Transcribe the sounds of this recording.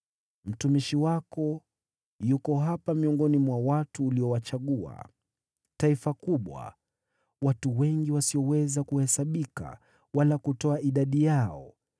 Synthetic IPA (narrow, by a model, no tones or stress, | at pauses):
m̩tumiʃiwakɔ | jukɔɦapamiɔŋɡɔnimwawatuːliɔwat͡ʃaɠua̰ | taifakuɓwa̰ | watuwɛŋɡiwasiɔwɛzakuhɛsaɓika̰ | walakutɔaʔiɗaɗijaɔ